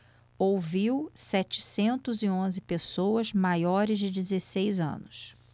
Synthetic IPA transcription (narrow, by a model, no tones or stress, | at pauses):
owviwsɛt͡ʃɪ̥sẽnt̪ʊzɪõzɪpesowɐzmajɔɾɪzd͡ʒɪd͡ʒɪzesejzɐ̰̃nʊs